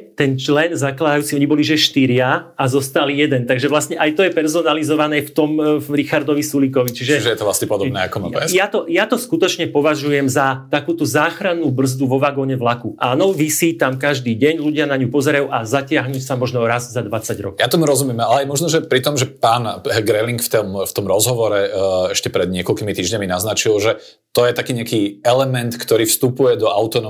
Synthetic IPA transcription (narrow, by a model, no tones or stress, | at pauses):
t̪ɛnt͡ʃlɛnzaklad̪ajuːt͡siɔɲibɔliʒɛʃt̪iɾɪaazɔst̪alijɛd̪ɛnt̪aɡʒɛʋlasɲɛʔajt̪ɔjɛpɛɾzɔnalizɔʋanɛːft̪ɔmɾixaɾd̪ɔʋisulik̬ɔʋit͡ʃiʒɛʒɛjɛt̪ɔʋla̰sɲɛpɔd̪ɔbnɛ̰a̰kɔma̰jat̪ɔjat̪ɔskut̪ɔt͡ʃɲɛpɔʋaʒujɛmzat̪akuːt̪uzaːxɾanuːbr̩zd̪uʋɔʋaɡɔɲɛʋlakuʔanɔʋisiːt̪amkaʒd̪iːɟɛɲluɟɪanaɲupɔzɛɾajuːʔazacɪaɦɲuːsamɔʒnɔɾazzad̪ʋat͡saɟɾɔ̰kɔjat̪ɔmuɾɔzumɪɛmalɛajmɔʒnɔʒɛpɾit̪ɔmʒɛpaːnɡɾɛliŋkft̪ɔmft̪ɔmɾɔzɦɔʋɔɾɛɛʃcɛpɾɛd̪̚ɲɪɛkɔlkimit̪iːʒɲaminaznat͡ʃilˠʒɛ | t̪ɔjɛt̪akiːɲɪakiːɛlɛmɛnt̪kt̪ɔɾiːfst̪upujɛd̪ɔʔaʊt̪ɔnɔ